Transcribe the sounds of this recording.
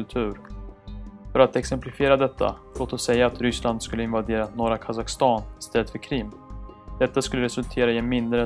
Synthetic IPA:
ɵlt̪ʰʉ̟ːɾ | fœɾat̪ɛksɛmplɪfɪeːɾad̪ɛt̪ʰːa̰loːt̪ɔsɛjːaːt̪ɾʏsland̪skɵlːəɪnvad̪eːɾanoːɾakʰasakst̪ɑːnɪst̪ɛlːət̪fœɾkʰɾɪmː | d̪̥ɛt̪ːaskɵlːəɾɛsɵlt̪ʰeːɾaɪɛnmɪnd̪ɾə

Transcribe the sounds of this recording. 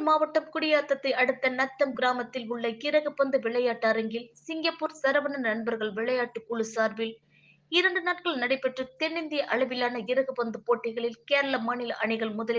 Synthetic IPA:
maːʋɐʈːɐmkʊɽɪjaːt̪ːɐt̪ːɐɪʔɐɽɯt̪ːɐnɐt̪ːɐmɡɪɾaːmɐt̪ːɪlʊɭːɐɪɾɐɣɯpɐnd̪ɯʋɪɭɐjaːʈːaːɾɐŋɡɪlsɪŋɡɐpːuːɾsɐɾɐʋɐnɐnɐɳbɐɾɣɐɭʋɪɭɐjaːʈːɯkːuːɭɯsaːɾʋɪl | ɪɾɐɳɖɯnaːʈkɐɭnɐɽɐɪpːɛʈrɯt̪ɛnːɪnd̪ɪjɐʔɐɭɐʋɪlaːnɐɪɾɐɣɯpɐnd̪ɯpoːʈːɪɣɐɭɪlkeːɾɐɭɐmɐɳɪlɐʔɐɳɪɣɐɭmʊðɐlɪ

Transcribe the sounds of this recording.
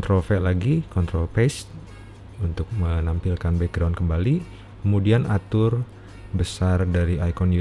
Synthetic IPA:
nt̪ɾɔfɛlaɡikɔnt̪ɾɔlpɛst̪̚ | unt̪ʊk̚mənampilkanbɛk̚ɡɾawnkəmbali | kəmudianat̪ʊr | bəsardaɾiajkɔnju

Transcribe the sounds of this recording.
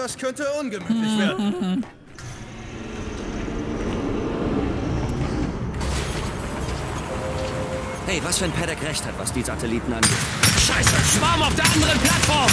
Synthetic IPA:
d̥askʰœntəʔʊnɡəmyːlɪçveːɐd̩ | hɛɪvasfyːɐnpʰɛɾɛkʁɛçthatv̥a̰sd̥iːzatʰɛliːtn̩ʔanɡeːtʃaɪsəʃv̥aɐmaʊfd̥eːɐʔandəʁənpʰl̥atfɔɐm

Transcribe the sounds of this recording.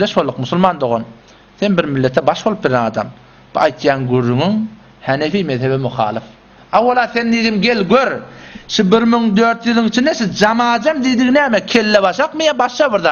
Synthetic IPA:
eʃbolˠːuqmusulˠmɑːnd̪o̞ʁo̰n | θe̞nbiɾmilːe̞t̪ʰebɑʃbolˠup̚biɾenɑːd̪ɑ̰m | b̥uɑjt̪jɑːnɡyrːyŋyŋ | hænefimeðheβemuχɑ̰ːlˠɯf | ɑwːɑlˠɑθe̞nːiðimɡe̞lɡøɾʃibiɾmyŋd̪øɾt̪jɯlˠɯŋit͡ʃʰind̪eʃid͡ʒɑmɑːd͡ʒɑmd̪id̪iɣnæːmekʲʰe̞lːeβɑʃɑqmɯjɑbɑʃɑβiɾðɑ

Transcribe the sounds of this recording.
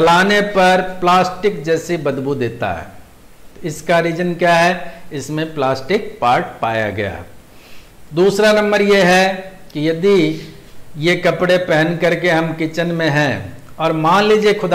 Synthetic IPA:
t͡ʃɐlaːnepɐɾplaːsʈɪkd͡ʒɛːsebɐd̪bud̪eːt̪a̰ɦɛ̰ː | ɪskaɾiːd͡ʒənkjaːɦɛɪsmẽplaːsʈɪk̚paːɾʈpaːja̰ɡɐja̰ː | d̪uːsɾanɐ̃mbəɾjeɦɛ | kijɐd̪i | jekɐpɽepɛɦənkɐɾkeɦɐmkɪt͡ʃənmẽɦɛ̃ | ɔːɾmãːnliːd͡ʒiekʰʊd̪

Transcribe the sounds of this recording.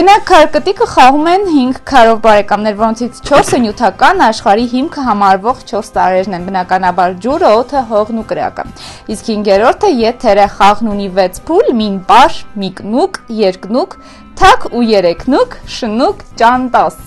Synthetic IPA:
bənɑkʰːɑɾkət̪ikəχɑʁumɛnhiŋɡkʰɑɾɔvbɑɾɛkɑmnɛɾvɔɾɔnt͡sʰit͡sʰt͡ʃʰɔɾsənjut̪ʰɑkɑnɑʃχɑɾiɦimkʰəɦɑmɑɾvɔʁt͡ʃʰɔɾst̪ɑɾɛɾnɛnbənɑkɑnɑbɑɾd͡ʒuɾəɔt̪ʰəɦɔʁnukəɾɑ̰kə̰iskhiŋɡɛɾɔɾt̪ʰəjɛt̪ʰɛɾəχɑʁnunivɛt͡sʰpʰulminpɑʃmiknukjɛɾknukʰ | t̪ʰɑkʰujɛɾɛkʰnukʰʃənukt͡ʃɑnt̪ɑs

